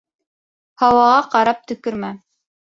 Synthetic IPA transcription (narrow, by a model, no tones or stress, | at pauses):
hɑwɑʁɑqɑɾɑp̚t̪ɵ̆kɵɾmæ